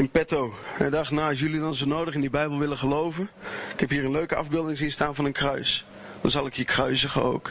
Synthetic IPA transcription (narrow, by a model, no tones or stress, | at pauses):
ɪnpɛtowhɛdɑχtnaɔs̬jəlidɔnzonoːdəχɪndibɛjbəl̩ˠʋɪləχəlowvənɪkhɛphiːrənløːkəɑ̰vbɪlˠdɪŋsinstaːnvɑnənkrœɥs | d̥ɑ̰nzɑlˠɪkhiːkrœɥsəɣə̰o̰wk